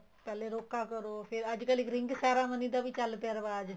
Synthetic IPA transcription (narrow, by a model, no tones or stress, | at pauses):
pɛːleːɾoːkːaːkəɾoːpʰɪɾəd͡ʒkəlɪkɾɪ̃ŋɡsaːɾaːmənĩːd̪aːbiːt͡ʃəlt̪eɾʋaːd͡ʒ